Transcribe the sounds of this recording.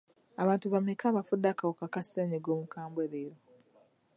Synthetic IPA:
aβaːntuβamekaːβafudːakawokakasteɲeɡoːmukaːmbweɾeɾo

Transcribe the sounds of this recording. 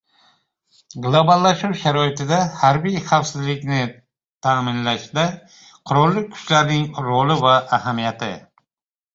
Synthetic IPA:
ɡlˠobalˠːaʃuwʃaɾɒɪt̪ɪd̪ahaɾbijχafsɪzlɪkʲnɪ | t̪ʰamɪnlaʃd̪a | qʰʊɾɒlˠːɪkʰʊ̥t͡ʃlaɾnɪŋɾolɪvaʔːhamijat̪ʰɪ

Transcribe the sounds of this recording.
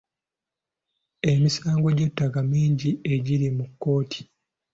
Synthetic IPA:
e̞misaːŋɡo̞ɟe̞tːakamiːɲɟie̞ɟiɾimukːo̞ːtʰi̥

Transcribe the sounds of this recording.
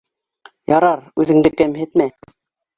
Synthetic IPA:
jɑɾɑɾʉðɘ̆ŋd̪ɘkæmhɘ̆t̪mæ

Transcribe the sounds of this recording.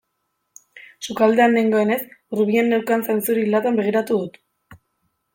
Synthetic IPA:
sukald̪e̞anːeŋɡo̞e̞ne̞sruβienːewkant͡sent͡suɾilat̪ambe̞ɣ̞iɾat̪uðut̪

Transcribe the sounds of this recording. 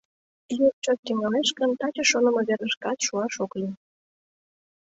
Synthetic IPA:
jur̚t͡ɕot̪̚t̪eŋɑleʃkənt̪ɑt͡ɕə̆ʃonə̆mə̆βerəʃkɑt̪ʃuɑʃokli

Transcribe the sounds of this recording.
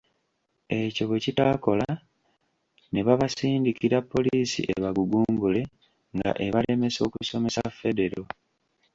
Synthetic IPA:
e̞co̞βecitaːko̞la | ne̞βaβasiːndikiɾapːo̞liːsḭʔe̞βaɡuɡuːmbule̞ | ŋɡa̰ʔe̞βale̞me̞so̞ːkuso̞me̞safe̞de̞ɾo̞

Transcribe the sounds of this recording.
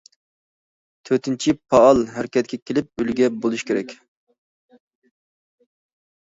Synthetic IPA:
t̪ʰøt̪ɪnt͡ʃʰipʰɑɑlˠɦæɾɪkʲʰɛt̪̚kʲʰɛkʲʰelɪp̚ylɡʲɛbolˠuʃkʲʰeɾɛkʲ

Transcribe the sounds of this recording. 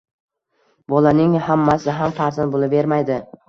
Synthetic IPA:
bɒlanɪŋhamːasɪɦamfaɾzanbolˠɪve̞ɾmajd̪ɪ

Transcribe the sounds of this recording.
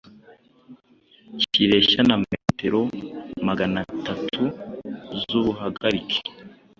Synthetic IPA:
ciɾe̞ʃanamete̞ɾo̞maɡanatatʰu | zuβuɦaɡaɾike̥

